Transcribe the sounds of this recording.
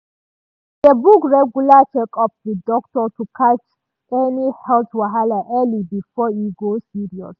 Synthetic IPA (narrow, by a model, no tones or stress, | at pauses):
dəbukɹɛɡjulat͡ʃekɔp̚ðidɔk̚tɔtukʰat͡ʃ | ʔɛnihɛltwaɦalaʔɛlibifɔiɡosiɹiɔ̰s